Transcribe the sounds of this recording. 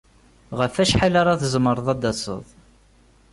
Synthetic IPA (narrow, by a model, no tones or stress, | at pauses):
ʁəfæʃħalaɾˤɑθəzməɾˤəðˤɑd̪ɑsˤə̰ðˤ